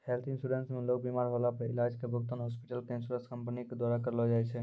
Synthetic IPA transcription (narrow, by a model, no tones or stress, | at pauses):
helt̪ʰinsʈuɖensmelok̚bimaɾɦɔlapəɾḭlad͡ʒkebʱək̚t̪ənɦɔspiʈəlkensuɾeskəmpəniked̪waɾakəɾlɔd͡ʒajt͡ʃʰɛ